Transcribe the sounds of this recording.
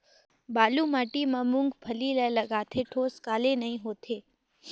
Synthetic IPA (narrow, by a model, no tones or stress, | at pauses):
baːlumaʈimãmʊ̃ŋɡpʰəliləjləɡaːt̪ʰeʈʰoːskaːlenəɦĩɦoːt̪ʰeː